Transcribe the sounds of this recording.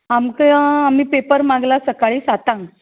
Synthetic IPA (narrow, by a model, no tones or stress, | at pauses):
amkəamiːpepəɾmaɡlasəkaɭiːsat̪ãŋ